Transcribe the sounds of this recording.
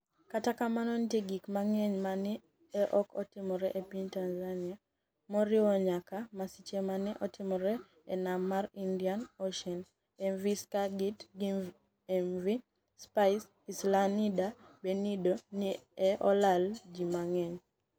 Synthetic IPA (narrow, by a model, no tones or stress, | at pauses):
katakamanɔntjeɡikmaŋɛɲmanɪ | ɛʔɔkɔtɪmɔɾɛʔepiɲtanzania | mɔɾɪwɔɲakamasit͡ʃemanɪʔɔtɪmɔɾɛ | ɛ̰namːaɾindianoʃɛn | ɛnviskaɡitɡiv | ɛmvi | spaɪs | islanida | benidonɪɛʔɔlald͡ʒimaŋɛɲ